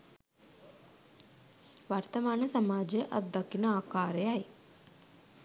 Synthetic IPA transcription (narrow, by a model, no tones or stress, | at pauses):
ʋart̪əmaːnəsamaːd͡ʒejəʔat̪̚d̪akinəaːkaːɾəjaj